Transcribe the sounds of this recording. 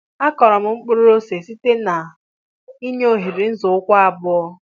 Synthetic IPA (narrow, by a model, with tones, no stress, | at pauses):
a˦kɔ˨ɾɔ˨m̩˨ŋ͡m̩˦k͡pʊ˦ɾʊ˦o˦se˨si˦te˦na˨ | i˦ɲ˦o˦ɦi˨ɾi˨n̩˦zʊ˨ʊ˦kʷa˦a˨bʊ˦ɔ˦